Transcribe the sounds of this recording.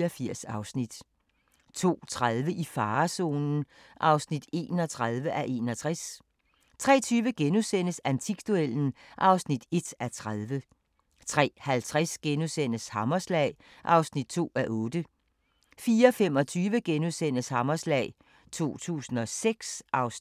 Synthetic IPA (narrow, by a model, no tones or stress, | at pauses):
ɒfiɐ̰sɑ̈ʊsnid̥ | t͡sʰo̝̰ːt͡sʰʁaðˠʋəʔifɑ̈ːso̝̰ːnn̩ | ʔɑ̈ʊsnid̥e̝ːnɒ̽t͡sʰʁaðˠʋəʔæʔe̝̰ːnɒ̽t͡sʰʁas | t͡sʰʁɛ̰ːt͡sʰyːʋəɡ̥enusen̰əsænt͡sʰiɡ̥̚d̥ueln̩ʔɑ̈ʊsnid̥e̝d̥æt͡sʰʁaðˠʋə | t͡sʰʁɛ̰ːhælt͡sʰʁasɡ̥enusen̰əshɑmɐslɛ̰ɪ | ʔɑ̈ʊsnid̥̚t͡sʰo̝̰ːæʔɔ̽ːd̥ə | fiːɐɒfem̰ɒ̽t͡sʰyːʋəɡ̥enusen̰əshɑ̈mɒslɛ̰ːɪ | t͡sʰo̝̰ːt͡sʰṵːsn̩ɒ̽seɡ̥sʔɑʊ